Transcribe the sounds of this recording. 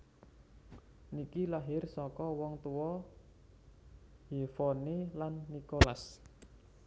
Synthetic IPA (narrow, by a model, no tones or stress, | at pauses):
nikilaɦɪrsɔkɔwɔŋt̪uwɔ | hifɔnelanːikolas